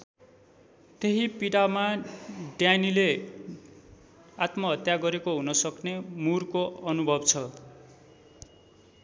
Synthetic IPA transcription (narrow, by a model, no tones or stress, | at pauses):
t̪eɦipiɽamaɖjanile | at̪mʌɦʌt̪jaɡʌɾekoɦunʌsʌknemurkoʌnubʱʌbt͡sʰʌ